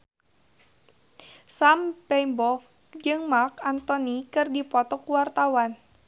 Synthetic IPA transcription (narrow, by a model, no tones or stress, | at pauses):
sampɛmbɔk̚ | d͡ʒɨŋmakant̪ɔnikɨrdipɔt̪ɔkuwart̪awan